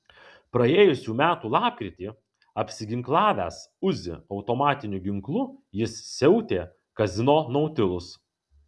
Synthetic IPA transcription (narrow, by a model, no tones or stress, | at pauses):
pɾɐeːjʊsʲuːmʲæːt̪uːlˠɑːp̚ʲkʲɾʲɪt̪ʲiː | ɐpʲsʲɪɡʲɪŋklˠɑːʋʲæːsʊzʲɪ̰ɒʊt̪omɑːt̪ʲɪnʲʊɡʲɪŋklˠʊjɪssʲɛʊt̪ʲeː | kɐzʲɪnoːnɒʊt̪ʲɪlˠʊs